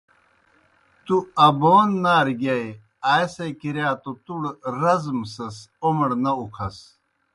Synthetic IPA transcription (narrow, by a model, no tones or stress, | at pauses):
t̪uɐbonːaːɾɡɐj | aːjsɐkiɾjaːt̪ot̪uɽɾɐzmsɐsomɽnɐukʰɐs